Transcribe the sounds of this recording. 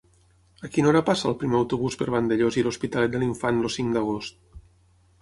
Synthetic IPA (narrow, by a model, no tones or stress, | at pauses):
əkinoɾapasə̰ːlˠpɾimeəwt̪uβ̞uspəɾβand̪eʎoziluspit̪alɛt̪̚d̪əliɱfanlosiŋd̪əɣ̞ost̪